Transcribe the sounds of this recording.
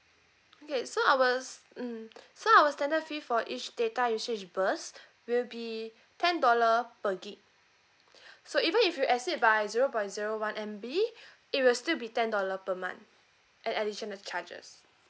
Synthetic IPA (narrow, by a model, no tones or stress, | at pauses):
okesoawəs | soawəstɛ̃ndətfifɔʔit͡ʃd̥etasit͡ʃbəs | wilbi | tʰɛ̃ndɔləpəɡik | soivə̃nifjuʔɛsit̚bajziɹopɔ̃jtziɹowãnʔɛ̃mbi | it̚wilstilbitɛ̃ndɔləpəmã̰nt | ʔɛ̃nɛdiʃənəlt͡ʃad͡ʒə̰s